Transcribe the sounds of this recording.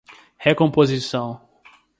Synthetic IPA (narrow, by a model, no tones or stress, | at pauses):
hekõmpozisɐ̃w̃